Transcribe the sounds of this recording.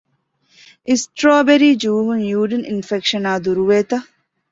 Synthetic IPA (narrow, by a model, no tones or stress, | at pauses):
ʔisʈɾoːbeɾiːd͡ʒuːɦunjuːɖininfekʃɐnaːd̪uɾuʋeːt̪ɐ